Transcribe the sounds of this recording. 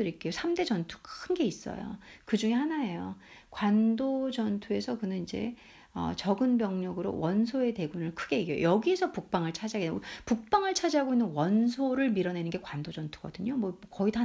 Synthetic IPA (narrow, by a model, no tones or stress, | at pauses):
ɯɾik͈e̞josʰamde̞d͡ʑʌntʰu̥kʰɯnɡe̞is͈ʌ̰jo̰kɯd͡ʑuŋehanae̞jo | kwandod͡ʑʌntʰue̞sʰʌkɯnɯnid͡ʑe̞̰ | ʌ̰t͡ɕʌɡɯnbjʌŋɲʌɡɯɾo̰wʌnsʰoe̞te̞ɡunɯɭkʰɯɡe̞iɡejo̰jʌɡiesʰʌpuk̚p͈aŋɯɭt͡ɕʰad͡ʑiɦaɡetːpuk̚p͈aŋɯɭt͡ɕʰad͡ʑiɦaɡoinːɯnwʌnsʰoɾɯɭmiɾʌne̞nɯnɡe̞kwandod͡ʑʌntʰu̥ɡʌdɯɲomwʌmkʌitʰ